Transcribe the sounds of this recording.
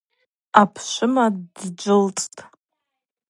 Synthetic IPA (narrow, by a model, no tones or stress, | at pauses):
apʰʃʷɪmaddd͡ʒʷɪlt͡sʼtʼ